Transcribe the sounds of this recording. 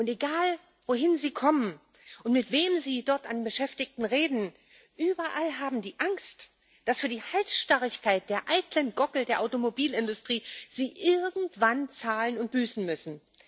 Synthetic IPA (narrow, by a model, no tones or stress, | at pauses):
ʔʊnteɡaːl | voːɦɪnziːkʰɔmən | ʔʊntmɪtv̥eːmziːdɔɐtanbəʃɛftɪçtn̩ʁeːdn̩ | ʔyːbɐʔalɦaːbm̩diːʔaŋst | d̥asfyːɐdiːhaltʃtaʁɪçkʰaɪt̚d̥eːɐʔaɪtlənɡɔkl̩deːɐʔaʊtomobiːlɪndʊstʁ̥iːz̥iːʔɪɐɡŋ̩tv̥ant͡saːlənʊnt̚b̥yːsn̩mʏsn̩